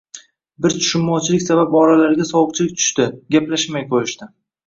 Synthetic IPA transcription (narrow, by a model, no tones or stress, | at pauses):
bɪɾt͡ʃʰʊ̥ʃʊmːɒt͡ʃʰɪlɪkʲsabapɒɾalaɾɡʲasɒwʊq̚t͡ʃʰɪlɪk̚ʲt̪ʰʊ̥ʃt̪ɪɡʲaplaʃmajqʰojɪʃt̪ɪ